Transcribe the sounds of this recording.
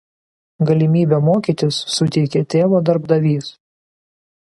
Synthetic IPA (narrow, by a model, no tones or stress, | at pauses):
ɡɐlʲɪmʲiːbʲeːmoːkʲiːˑt̪ʲɪsːʊt̪ʲɛɪkʲeːt̪ʲeːʋoːd̪ɐɾbd̪ɐʋʲiːs